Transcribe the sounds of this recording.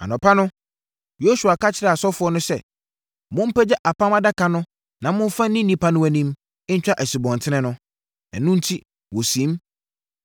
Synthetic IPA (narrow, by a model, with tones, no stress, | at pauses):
a̰˨nʊ̃˨pʰa˦nʊ̃˦ | jo˦su˨a˨kʰa˦t͡ɕʰɪ˦ɾɛ˦˨a˨sɔ˦fʊ˨˦ɔ˦nʊ̃˦sɛ˦ | mʊ̃˦m̩˦pɛ˦d͡ʑɛ˦ʔa˨pʰã˦ma˦da˦kʰa˨nʊ̃˦ | nã˨mʊ̃˦ɱ˦fa˦nĩ˦nĩ˦pʰa˦nʊ̃˦æ˨nĩ˦m | ɪ˦n̩˦t͡ɕᶣa˦ʔæ˨si˨bɔ̃˨n˨tʰɪ˦nɛ̃˦nʊ̃˦ | ɛ̰˨nːʊ̃˦n̩˦tʰi˦ | wo˨sĩ˨˦m